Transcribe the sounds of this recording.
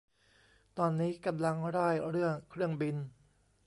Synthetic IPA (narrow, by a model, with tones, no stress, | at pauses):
t̪ɔː˧nːiː˦˥ka˧mla˧ŋɾaː˥˩jɾɯ˥˩əŋkʰɾɯ˥˩əŋbi˧n